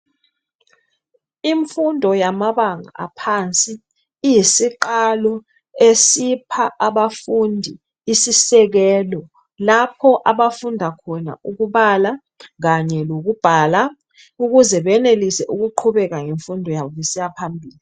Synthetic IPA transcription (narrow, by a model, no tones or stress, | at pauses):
iɱfundʱɔjamaɓaŋa̰a̰pʰant͡sʼiː | jisiǃalɔ | esipʰaʔaɓafundʱiː | sisɛk̬ɛːlɔ | lapʰɔʔaɓafundʱakʰɔna̰uk̬uɓala | k̬aɲɛlok̬ub̥ʱala | uk̬uzɛɓɛnelisɛʔuk̬uǃʰuɓɛk̬aŋeɱfundʱɔjaɓisijapʰambʱiːli